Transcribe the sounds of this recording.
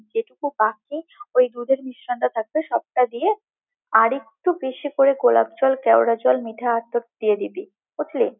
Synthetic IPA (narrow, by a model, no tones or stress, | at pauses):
d͡ʑeʈukubakiojd̪ud̪ʱeɾmiʃɾoɳʈat̪ʰak̚beʃɔb̚ʈad̪ije | aɾek̚ʈubeʃikoɾeɡola̰b̚t͡ɕɔlkɛwɽad͡ʑɔlmiʈʰaat̪ːot̪̚d̪ijed̪it̪i | ut̪ʰli